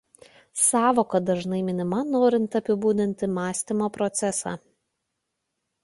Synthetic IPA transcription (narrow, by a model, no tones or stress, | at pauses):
sɑːʋoːkɐd̪ɐʒnɐɪmʲɪnʲɪmɐnoːɾʲɪnt̪ɐpʲɪbuːd̪ʲɪnʲt̪ʲɪmɑːsʲt̪ʲɪmoːpɾɔt̪sʲɛsɑ̰ː